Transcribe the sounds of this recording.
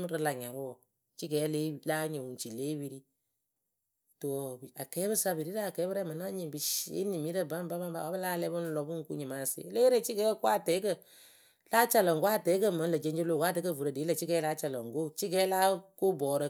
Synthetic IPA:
m˦ɾə˧la˨ɲa˨bɔ˨ | t͡ʃi˦ɡɛ˨˦le˦laː˦ɲo˨wu˨t͡ʃi˨leː˦wi˦ɾi˦ | to˨a˨kɛː˨˦bɨ˦sa˧bi˨ɾi˦ɾa˦˨kɛ˨˦bə˦ɾɛ˦˨ma˨na˦ɲi˨bi˨ʃḛ˦ni˨mi˨˦ɾə˦ba˦m˦ba˦ba˦m˦ba̰˨wa˦bə˦laː˦lɛ˦bə˦n˦lɔ˨bu˦ŋ̩˦ku˦ɲi˨ma˨˦˨sḛ˨˦le˦ɾe˦˨t͡ʃi˦ɡɛː˨˦kʷa˦˨tɛ˨˦kə˦˨ | la˦t͡ʃa˨lə˨ŋ˨kwa˦˨tɛ˨˦kə˦mə˨˦lə˨d͡ʒe˦ɲd͡ʒe˦lo˦˨ka˦tə˦kə˦˨vu˨ɾə˨deː˨˦lə˦˨t͡ʃi˦ɡɛː˨˦la˦t͡ʃa˨lə˨ŋ˨ɡo˦˨t͡ʃi˦ɡɛ˨˦la˦ko˦bɔː˨ɾə˨

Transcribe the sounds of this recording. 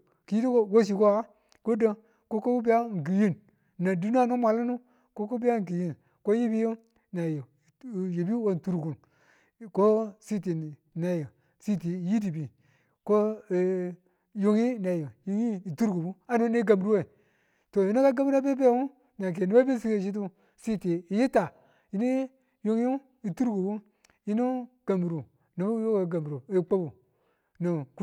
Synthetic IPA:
ki˨ji˦di˦o˦wo˦s̬i˨ko˦a˦ | ko˦də˦ | ko˦ko˦bi˦a˦˨ŋ˨ɡi˨ji˦n | na˨di˦n˦a˦˨nu˦ma˨lu˦nu˦ | ko˦ko˦bi˦a˦ŋ˨ki˨ji˦n | ko˦ji˦bi˦jo˦ | na˨jo˨jo˨bi˦wo˦n˨tu˨ɾɡu˨n˨ | ko˦si˦t̬i˨ | na˨jo˨ | si˦ti˨ji˦di˨bi˨ | ko˦˨ | jo˦ŋi˦na˨jo˨jo˦ŋi˦i˨tu˦ɾɡu˨bu˦a˦nu˦ne˦ɡa˨mbu˨ɾu˦we˦˨ | to˨ji˨˦no˦ka˦ɡa˦mbu˦ɾa˦be˦be˦˨˦u˦ | na˨k̬e˨nu˦a˦bi˦si˦ke˦˨ʃ̬i˦t̬u˦ | si˦ti˨i˨ji˦ta˨ | ji˦ni˦ | jo˦ŋ˦u˦ | i˨tu˦ɾɡu˨bu˦ | ji˦nu˦ | ɡ̥a˨mbu˨ɾu˨ | nu˨bu˦jo˦ka˨ɡa˨mbu˨ɾu˨i˨k͡po˦bu˨ | no˨ku˦

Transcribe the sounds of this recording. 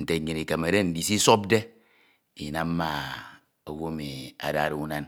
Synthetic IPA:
n̩˨te˨ɲɨ˨ni˨ke˨me˨de˦n̩˨di˨si˦so˦b̚de˦ | i˨na˨m˦ma˨ | o˨wo˦me˨a̰˨da˦˨ɾu˨u˦na˦n

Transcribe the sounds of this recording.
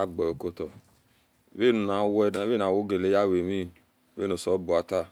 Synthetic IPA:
a˦ɡ͡bɔ˨o˨ko˧tɔ˨ | be˦˨nu˧˨na˨˦wɛ˧˨˦e˦˨na˨˦wo˦ɡe˨le˨˦ja˦˨we˨mi˦ | be˦˨õ˧˨sɔ˨˦bu˨a˧ta˦˨

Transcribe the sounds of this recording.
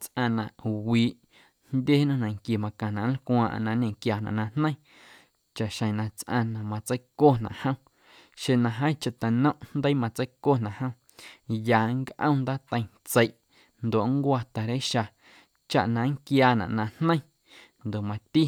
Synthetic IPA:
t͡sʔã˧nã˨ʔwiː˨ʔ | nd̪ʲje˦nũ˦nã˨ŋkji˨mã˧kã˨nã˨l̩kwãː˧ʔnã˧ɲẽ˨ŋkjaː˧˨nã̰˨ʔnã˧n̥nə̃˦j̃ | t͡ʃa˨ʔʃə̃˨nã˧t͡sʔã̰˧nã˨mã˧t͡sə˦jkoː˦˨nã̰˨ʔhə̃˦w̃ | ʃe˧˨nã˧ɦə̃˦t͡ʃa˧ʔt̪a˨nə̃˦ʔnnd̪ə˦mã˧t͡sə˦jko˦˨nã˨hə̃˦w̃ | jaː˨ŋkʔə̰̃˦˧nd̪aː˦t̪ə̃˧j̃ | t͡sə˧jʔ | nd̪o˨ʔŋkʷa˧t̪a˨ɾe˦ʃa˧ | t͡ʃa̰˨ʔnã˧ŋkjaː˧nã̰˨ʔnã˧nnə̃˦j̃ | nd̪o˨ʔmã˧t̪i˦

